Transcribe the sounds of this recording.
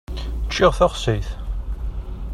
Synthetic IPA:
t͡ʃːɪʁθæχsiθ

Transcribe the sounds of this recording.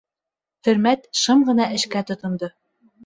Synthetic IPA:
t̪ɵ̆ɾmæt̪ʃɤmʁɤ̆nɑʔɘ̆ʃkæt̪ŏt̪ŏmd̪ɤ

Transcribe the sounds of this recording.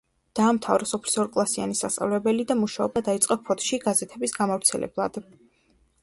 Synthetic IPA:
d̪̥aːmt̪ʰavɾɛsɔpʰli̥sɔɾkʼlˠasia̰nisa̰st̪sʼa̰vlɛbɛlid̪amuʃaɔbad̪ait̪sʼqʼɛpʰɔt̪ʰʼʃiɡazɛt̪ʰɛbisɡamavɾt̪sʰɛlɛ̰blˠa̰d̪̥

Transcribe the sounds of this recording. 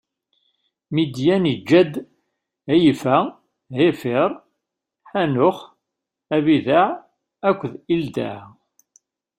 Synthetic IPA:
mid̪jænid͡ʒːæd̪ | æjfæ | hefɪɾˤ | ħænʊχ | æβiðaʕ | ækʷːðild̪a̰ʕ

